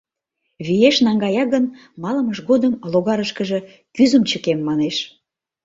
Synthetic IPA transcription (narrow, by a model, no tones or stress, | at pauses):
βijeʃnɑŋɡɑjɑɣən | mɑləməʃɣod̪əmloɣɑɾəʃkəʒĕ | kyzəmt͡ɕəkemːɑneʃ